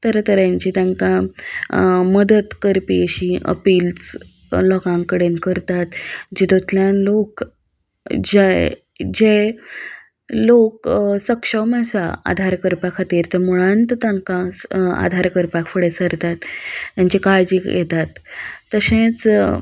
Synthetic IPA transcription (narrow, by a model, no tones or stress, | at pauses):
t̪əɾt̪əɾjaɲt͡ɕit̪jãŋkã | məd̪ət̪kəɾpiəɕĩʔə̰piːlt͡s | lɔkãŋkəɽenkəɾt̪at̪d͡ʑed̪ot̪ljanlok | d͡ʑe | d͡ʑe | loksəkʂəməsaa̰d̪ʱaɾkəɾpakʰat̪iɾt̪əmuɭ̃ant̪t̪ãŋkãa̰d̪ʱaɾkəɾpakʰfəɽesəɾt̪at̪jaɲt͡ɕikajd͡ʑiːjet̪at̪ːəsẽt͡s